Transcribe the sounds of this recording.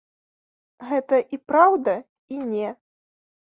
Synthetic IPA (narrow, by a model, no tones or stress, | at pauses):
ɣɛt̪ɐʔipɾawd̪ɐ | inʲɛ